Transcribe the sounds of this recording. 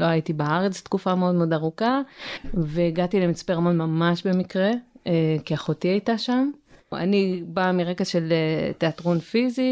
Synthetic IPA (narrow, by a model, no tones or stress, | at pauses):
lo̞ajitibeaʁet͡st̪kufameo̞d̪meodaʁuka | veːɡatilemit͡speʁamonmamaʃbe̞mikʁe̞kiaχotiajtaʃama̰nibamiʁekaʃeleteatʁonfizi